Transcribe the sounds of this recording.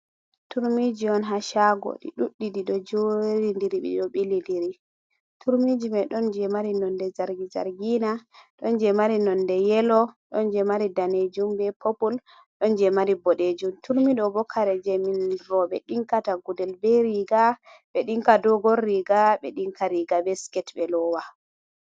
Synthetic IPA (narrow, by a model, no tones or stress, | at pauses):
tuɾmid͡ʒiɔnɦaʃaɡɔ̰ɗḭɗuɗːidiɗɔd͡ʒoɾindiɾiɓɛ̰ɗɔɓilindiɾi | tʰuɾmid͡ʒimɛɗɔnd͡ʒɛmaɾinɔndɛzaɾɡiza̰ɾɡinaɗɔnd͡ʒɛmaɾinɔndɛjɛlɔɗɔnd͡ʒɛmaɾidaned͡ʒumbɛpʰopul | ɗɔnd͡ʒɛmaɾibɔɗed͡ʒumtuɾmiɗɔbɔkʰaɾɛd͡ʒɛminɾɔɓɛ̰ɗiŋkataɡudɛlbɛɾiɡa | ɓɛɗiŋkadɔɡɔrːiɡaɓɛ̰ɗiŋkaɾiɡabɛskɛtɓɛlɔwa